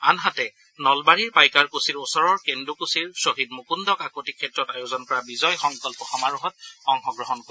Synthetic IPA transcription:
anɦatɛ | nɔlbaɹiɹpajkaɹkusiɹosɔɹɔɹkendukusiɹsoɦid̚mukundɔkakotikʰːɛtɹɔtajozɔnkɔɹabizɔjxɔŋkɔlpɔxɔmaɹuɦɔt̚xɔŋxɔɡɹɔɦɔnkɔ

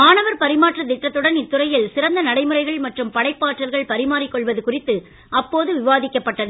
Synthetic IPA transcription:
maːɳɐʋɐɾpɐɾɪmaːʈrɐt̪ɪʈːɐt̪ːɯɽɐnɪt̪ːɯrɐjɪlsɪrɐnd̪ɐnɐɽɐɪmɯrɐɪɣɐɭmɐʈrɯmpɐɽɐɪpːaːʈrɐlɣɐɭpɐɾɪmaːɾɪkːɔɭʋɐðɯkʊrɪt̪ːɯ | ʔɐpːoːðɯʋɪʋaːðɪkːɐpːɐʈːɐðɯ

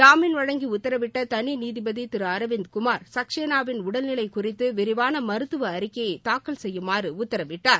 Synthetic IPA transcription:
d̪aːmɪnʋɐɻɐŋɡiʊt̪ːɐɾɐʋɪʈːɐt̪ɐniniːðɪbɐðit̪ɪɾɯɐɾɐʋɪnd̪kʊmaːɾsɐkʂeːnaːʋɪnʊɽɐlnɪlɐɪkʊrɪt̪ːɯʋɪɾɪʋaːnɐmɐɾɯt̪ːɯʋɐːɾɪkːɐjɐɪt̪aːkːɐlsɛjːɯmaːrɯʊt̪ːɐɾɐʋɪʈːaːɾ

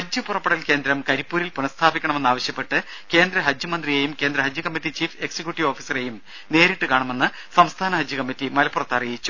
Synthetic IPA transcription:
hɐd͡ʑjɨpurɐpːɐɽɐlke̞ːnd̪ɾɐmkɐɾipːuːɾilpunɐst̪ʰaːbikʲːɐɳɐme̞nːaːʋɐɕjɐpːe̞ʈːɨ | ke̞ːnd̪ɾɐɦɐd͡ʑjɐmɐnd̪rijejumke̞ːnd̪ɾɐɦɐd͡ʑjukɐmːitːit͡ɕiːfe̞ksɐkʲjuʈːiʋo̞ːfisɐre̞jum | ne̞ːɾiʈːɨkaːɳɐme̞nːɨ | sɐmst̪ʰaːnɐɦɐd͡ʑjukɐmːitːimɐlɐpːurɐt̪ːɐrijit͡ɕːu

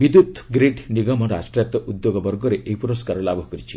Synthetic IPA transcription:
ʋid̪jut̪ɡɾiɖniɡɔmɔɾa̰sʈɾjt̪ɔʔud̪joɡɔbɔɾɡɔɾeʔeɦipuɾɔskaɾɔlabʱɔɦkɔɾit͡ʃʰi̥

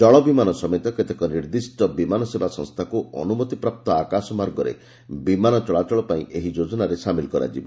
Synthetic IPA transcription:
d͡ʒɔɭɔbimanɔsɔmɔt̪ɔket̪ekɔniɾd̪isʈɔbimanɔsebasɔ̰̃ŋst̪ʰakuʔɔ̰numɔt̪ipɾap̚t̪ɔakasɔmaɾɡɔɾḛ | bimanɔt͡ʃɔɭat͡ʃɔɭɔpaĩʔeɦid͡ʒod͡ʒɔnaɾesamilkɔɾa̰d͡ʒḭbɔ

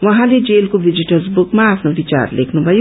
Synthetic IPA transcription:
wʌɦãled͡zelkobʱid͡ziʈʌrsbukmaːpʰnobit͡sa̰rlekʰnubʱʌjo

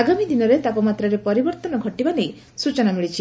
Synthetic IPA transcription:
aɡamid̪inɔɾet̪apɔmat̪ɾaɾepɔɾibɔɾt̪ɔnɔɡʱɔʈibanej | sut͡ʃɔnamiɭit͡ʃʰi

